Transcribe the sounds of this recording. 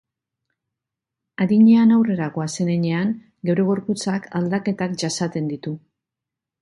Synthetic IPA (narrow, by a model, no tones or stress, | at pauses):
aðiɲe̞anawre̞ɾako̞ase̞neɲe̞aŋ | ɡe̞wɾe̞ɣ̞o̞ɾput͡sakald̪ake̞t̪akʝasat̪e̞nd̪it̪u